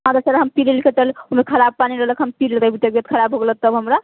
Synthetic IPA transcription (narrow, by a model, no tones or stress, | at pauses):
ɦãd̪əɾsəɾɦəmpilelket͡ʃəluɦmekʰəɾab̚paniɾəɦləkɦəmpilelɾəbit̪jəbjət̪̚kʰəɾabɦoɡelət̪ːəbɦəmɾa